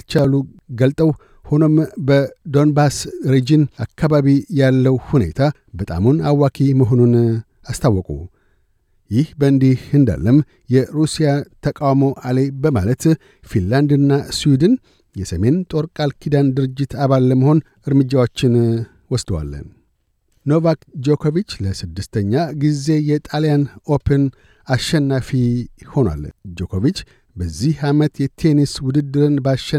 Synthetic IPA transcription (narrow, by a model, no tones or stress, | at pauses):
t͡ʃalu | ɡəlt̪ʼəw | ho̞no̞mbəd̪o̞nbasɾed͡ʒinakʰːaβaβijalːəwhune̞̰t̪ʰa | bət̪ʼa̰munawːakʰiməɦo̞nun | ast̪ʰawːɔkʼṵ | jɪhbəɨnd̪ihɨnd̪a̰lːəm | jɛɾusijat̪ʰəkʼawmo̞ʔale̞bəma̰lət̪ | finland̪ɨnːaswid̪ɨn | jɛsəme̞nt̪ʼo̞ɾkʼalkʰid̪and̪ɨɾɨd͡ʒːɪt̪ʰaβalːəməho̞n | ɨɾmɨd͡ʒːawot͡ʃːɪn | wɔsd̪əwa̰lːə̰n | no̞vakd͡ʒo̞kʰo̞vit͡ʃːləsɨd̪ːɨst̪ʰəɲːaɡize̞jɛt̪ʼalijanopʰən | aʃɛnːafiho̞nwa̰ld͡ʒo̞kʰovit͡ʃː | bəzːihamət̪jɛt̪ʰe̞niswʊd̪ɨd̪ːɨɾɨnbaʃɛ